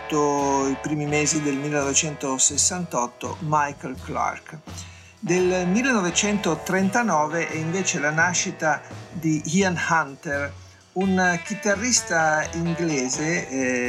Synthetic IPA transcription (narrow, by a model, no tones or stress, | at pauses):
oipɾiːmimeːzid̪elmilːenɔvet͡ʃɛnt̪osesːant̪ɔt̪ːo̰majkelkla̰rk | d̪elmilːenɔvet͡ʃɛnt̪ot̪ɾent̪anɔːveʔɛiɱveːt͡ʃelanaʃːit̪ad̪iianhant̪er | unk̟it̪arːist̪aiŋɡleːze